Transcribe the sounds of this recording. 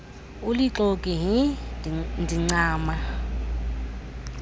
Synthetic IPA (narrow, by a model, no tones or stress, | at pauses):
uliǁokʼiɦi | ndʱiŋ͡ǀaːma